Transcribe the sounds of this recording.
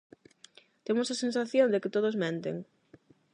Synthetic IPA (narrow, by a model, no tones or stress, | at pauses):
t̪emosasẽns̬aθjõnd̪ɪkɪt̪oð̞ozmẽnt̪ḛŋ